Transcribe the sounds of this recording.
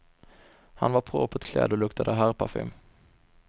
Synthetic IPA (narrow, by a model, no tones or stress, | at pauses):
ha̰nvaɾpʰɾo̰ːpʰɔɛt̪kʰlɛ̰ːd̪ɔlɵkt̪ʰad̪əɦæːɾpʰafɪ̰m